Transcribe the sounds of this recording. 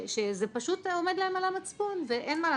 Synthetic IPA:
ʃezepaʃut̪ome̞d̪laemalamat͡sponveʔenmaːla

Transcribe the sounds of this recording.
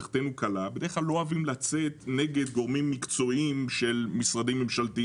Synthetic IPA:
χt̪enukalabedeχlalːo̞avimlat͡se̞t̪ne̞ɡe̞d̪ɡo̞ʁmimːikt͡so̞imʃe̞lmisʁadimːemʃalt̪i

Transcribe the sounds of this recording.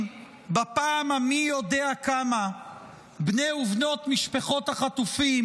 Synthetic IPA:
bapaːmamijo̞deakama | bnejuvno̞t̪miʃpaχo̞t̪haχat̪ufim

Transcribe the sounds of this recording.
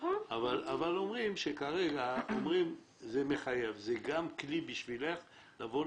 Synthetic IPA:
avalavalo̞mʁimʃekaʁeɡaomʁim | zeme̞χaje̞vzeɡamklibiʃvile̞χ | lavo

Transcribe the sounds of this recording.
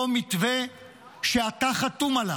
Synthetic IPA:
omit̪ve | ʃeat̪aχatumala

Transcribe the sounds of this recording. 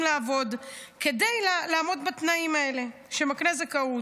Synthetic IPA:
mlaːvo̞dke̞de̞jlalaːmo̞dbat̪naimae̞le̞ | ʃemakne̞zekau

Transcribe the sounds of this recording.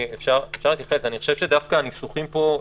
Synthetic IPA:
efʃaʁefʃaʁleit̪jaχesaniχo̞ʃe̞v̥ʃed̪afkaːnisuχimpo̞

